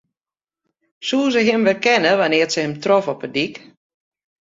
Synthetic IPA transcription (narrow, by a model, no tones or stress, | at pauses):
suːsəɦɪmʋəkɛnəʋanɪərtsəhəmtrɔfɔpədik